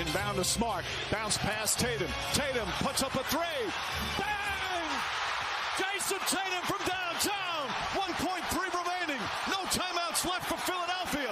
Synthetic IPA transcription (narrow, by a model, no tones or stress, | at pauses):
ɨ̃ndãʊ̃nəsmɑɹk̚ | d̥ãʊ̃nspʰæstʰeɪɾɨ̃m | tʰeɪɾɨ̃mpʰʊtsʌpəθɹe | b̥æ | n | d͡ʒ̥eɪsɨ̃ntʰeɪɾɨ̃ɱfɹʌ̃mdãʊ̃ntʰãʊ̃n | wʌ̃npʰɔ̃ɪ̃nθɹiɹɪmẽɪ̃nɪ̃ŋ | noʊtʰãɪ̃maʊtslɛftfə˞fɪlˠəɾɛlˠfiɨ